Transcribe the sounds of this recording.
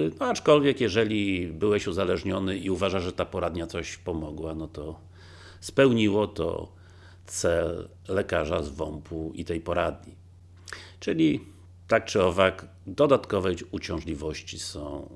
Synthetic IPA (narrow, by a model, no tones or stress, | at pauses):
nɔat͡ʂkɔlvʲjɛkjɛʐɛlʲibɘwɛɕuzalɛʐɲɔnɘʔiuvaʐaʐɛt̪apɔɾad̪ɲat̪sɔɕpɔmɔɡwanɔt̪ɔ | spɛwɲiwɔt̪ɔ̰ | t̪sɛlː | ɛkaʐazvɔmpʰuḭt̪ɛjpɔɾad̪ɲi | t͡ʂɘlʲi | t̪ak̚t͡ʂɘɔvak | d̪ɔd̪at̪kɔvɛjut͡ɕɔ̃w̃ʐlʲivɔɕt͡ɕisɔ̃w̃